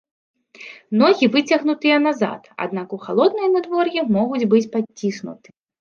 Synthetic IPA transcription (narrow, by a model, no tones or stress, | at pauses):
nɔɣʲivɨt͡sʲɐɣnut̪ɨjɐnaza̰t̪a̰d̪nakuxa̰lˠɔd̪̚nɨjɐnad̪vɔrjɛmɔɣud͡zʲbɨt͡sʲpat͡sʲːisnṵt̪ɨ̥